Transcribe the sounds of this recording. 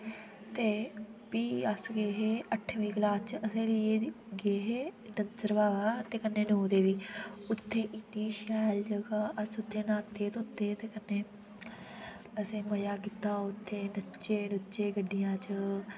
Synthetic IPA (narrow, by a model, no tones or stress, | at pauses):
t̪eːpiːəsɡeːɦeːʔəʈʰʋĩːɡlaːst͡ʃəsẽːlɪeː | ɡeːɦeːnənzəɾʋaːʋaːt̪eːkənːeːnoːd̪eːʋiːʊt̪ʰːeːʔɪnːiːʃɛːld͡ʒəɡaːʔəsʊt̪ʰːeːnãːt̪ʰːeːt̪oʊt̪ʰːeːt̪eːkənːeː | əsẽːməjaːkiːt̪aːoʊt̪ʰːeːnətːt͡ʃeːnʊt͡ʃeːɡəɖːɪjãːt͡ʃə